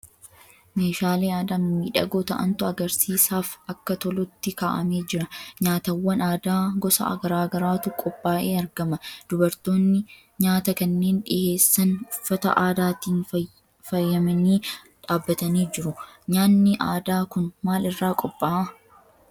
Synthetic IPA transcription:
me̞ːʃaːleːaːd̪ammiːᶑɐ̰ɡoːt̪ɐ̰ʔɐ̰nt̪ʊɐɡɐɾsiːsaːfɐkːɐt̪ɔlɔt̪ːɪkaːʔɐme̞ːd͡ʒɪɾɐɲaːt̪ɐwːɐnaːd̪aːɡɔsɐ̰ʔɐ̰ɡɐɾaːɡɐɾaːt̪ʊkʼɔpʼːaːʔe̞ːɐɾɡɐmɐd̪̥ʊbɐɾt̪o̞ːnːɪ | ɲaːt̪ɐkɐnːe̞ːnᶑɪʔe̞ːsːɐnʊfːɐt̪ɐ̰ʔaːd̪aːt̪iːn | fɐjːɐmɐniː | ᶑaːbːɐt̪ɐniːd͡ʒɪɾʊɲaːnːɪʔaːd̪aːkʊnmaːlɪrːaːkʼɔpʼːaː

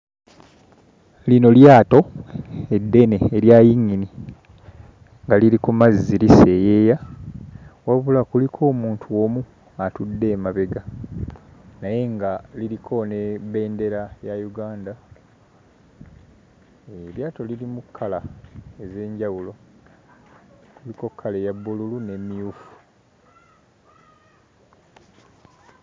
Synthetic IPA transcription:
lino̞ljaːto̞e̞dːe̞ne̞ːɾjajiɲːini | ŋɡaliɾikumazzilise̞jeːja | waβulakulikʰo̞ːmuːntʰuomu | atudːe̞ːmaβe̞ɡa | naje̞ŋɡaliɾikʰo̞nebe̞ːnde̞ɾajajuɡaːnda | eɾjaːto̞lilimukʰːalaeze̞ːɲɟawulo̞ | kuliko̞kʰːale̞jabːululune̞mːijufu̥

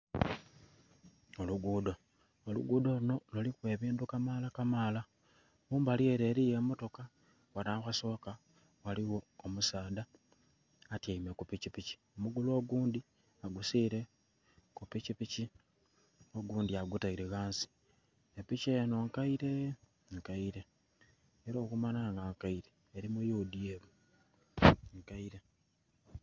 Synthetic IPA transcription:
oluɡuːdo | olṵɡuːdo̞luno̞lolikwe̞ːβiːndukamaːlakamaːla | muːmbalie̞ɾe̞ɾije̞mo̞to̞ka | wanaːxaso̞ːka | waliwo̞ːmusaːdaː | taime̞kupicipici̥omuɡulo̞ːɡuːndi | aɡusiːɾe̞ | kupicipici | o̞ɡuːndiaɡutaiɾeɣaːnsi̥ | epicejano̞ŋkaiɾe̞ | ŋkaiɾe̞ | eɾo̞ːkumanaŋɡaŋkaiɾeːɾimujuːdieβu | ŋkaiɾe̞

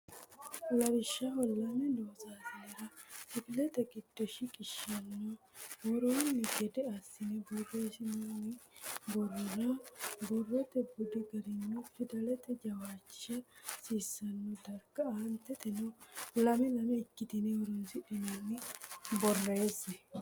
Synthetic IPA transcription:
lɐɾɪʃːɐhɔlːɐmɛd̪oːsaseːɾɐsɪɡɪlɛt̪ɛɡɪd̪̥ːɔʃɪkʼɪʃɐnːɔ | wɔɾoːnɪɡɛd̪ɛɐsːɪnɛbɔrːeːsɪnɐnɪbɔrːɔnɐbɔrːɔt̪ɛbʊd̪ɪɡɐɾɪnːɔfɪd̪ɐlɛt̪ɛd͡ʒɐwaːt͡ʃːɪʃɐsiːsːɐnːɔd̪ɐɾɡɐant̪ɛt̪ɛnɔɔlːɐmɛnɐmɐɪkːɪt̪ɪnɛwɔɾoːnsɪᶑɛnɐnɪbɔrːeːsɛ

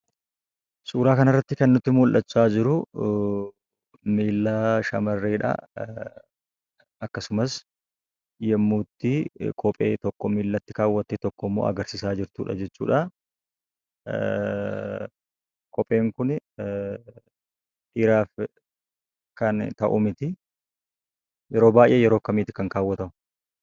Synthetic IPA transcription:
sʼuːɾaːkɐnɐrːɐt̪ːɪkɐnːʊt̪ːɪmʊlʔɐt͡ʃːaːd͡ʒɪɾʊ | miːlːaːʃɐmɐrːeːᶑɐ̰ | ɐkːɐsʊmɐs | jɛmːuːt̪ːɪkʰɔpʼeːt̪ɔkːɔmiːlːɐt̪ːɪkaːwːɐt̪ːeːt̪ɔkːɔmːo̰ːʔɐ̰ɡɐɾsɪsaːd͡ʒɪɾt̪ṵːᶑɐ̰d͡ʒɛt͡ʃːṵːᶑɐ | kʰɔpʼe̞ːŋkʊn | ʔɾaːf | kɐnt̪ɐʔʊmɪt̪ɪ | jɛɾo̞ːbaːjʔeːjɛɾoːkɐmiːt̪ɪ̥kɐŋkaːwːɐt̪ɐmʊ

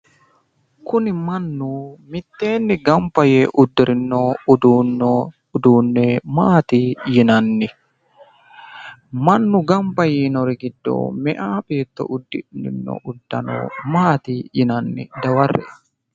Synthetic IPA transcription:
kʊnɪmɐnːumɪt̪ːeːnːɪɡɐmpɐjeʔʊd̪ːɪɾɪnːoud̪uːnɔ | d̪uːnːɛmaːt̪ijɪnɐnːɪ | mɐnːʊɡɐmpɐjinɔɾiɡɪd̪ːo̰ːmɛʔaːpet̪ːɔ̰ʔud̪ːinɪ̰nːɔ̰ʔud̪ːɐ̰no̰maːt̪ijɪnɐnːḭd̪ɐwɐrːɛ̰

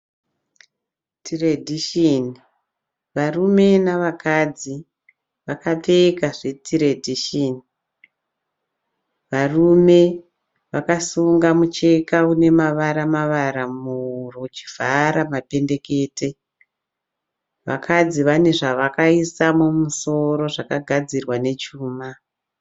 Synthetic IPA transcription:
tʰiredʱiʃini | ʋarume̞naʋakad͡zi | ʋakap͡fe̞kaʐe̞tʰiredʱiʃeːni | ʋarume̞ | ʋakasuŋɡamut͡ʃe̞kaune̞maʋaɾamaʋaɾamurot͡ʃi̥v̥ʱaɾamape̞nde̞ke̞ːte̞ | ʋa̰kʰad͡ziʋane̞ʐaʋakaisamumuso̞ɾo̞ʐakaɡʱad͡zirwane̞t͡ʃuːma

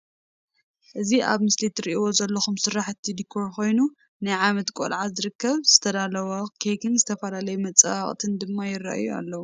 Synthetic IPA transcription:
ʔɨziʔa̰βmɨslit̪ɾiʔiwo̞zɐlːɐxumsɨɾaħɨt̪ʰːid̪ikʰːo̞ɾko̞jnu | najʕamɐt̪kʼo̰lʕazɨɾɨkːɐβz̥ɨt̪ʰɐd̪alɐwɐkʰejkʰɨnzɨt̪ʰɐfɐlalɐjumɐt͡sʼaχʼt̪ʰɨnd̪ɨmːajɪrːa̰ʔjua̰lːɐwu

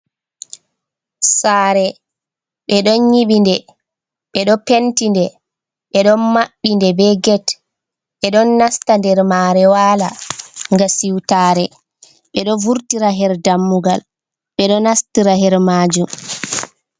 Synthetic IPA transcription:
saːɾɛ | ɓɛɗɔnɲiɓindɛ | ɓɛɗɔpentindɛ | ɓɛɗɔnmaɓːindɛbɛɡɛt | ɓɛɗɔnːastandɛɾmaɾɛwaːlaŋɡasiwtaːɾɛ | ɓɛɗɔvuɾtiɾaɦɛɾdamːuɡal | ɓɛɗɔnastiɾaɦɛɾmaːd͡ʒum

